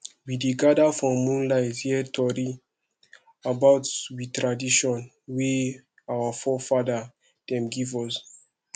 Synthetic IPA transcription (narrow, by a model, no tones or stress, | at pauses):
wideɡadafɹɔ̃ːũnlaɪzhiɛtʰɔɾi | abaʊtwitɹadiʃɔ̃n | we | awafɔfada | d̥ɛ̃mɡivɔs